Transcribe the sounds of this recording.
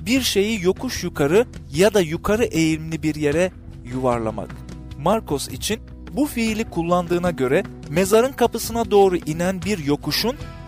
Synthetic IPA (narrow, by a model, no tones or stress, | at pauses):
biɾʃe̞jijo̞kʰuʃjukʰaɾɯjad̪ajukʰaɾɯʔe̞jiɾmlʲibiɾje̞ɾɛ | juvaɾlˠa̰ma̰kmaɾkʰo̞sḭt͡ʃʰin | bufiːlʲikʰulˠːand̪ɯːnaɟø̞ɾɛ | me̞zaɾɯnkʰapɯsɯnad̪o̞ːɾuʔinænbiɾjo̞kuʃun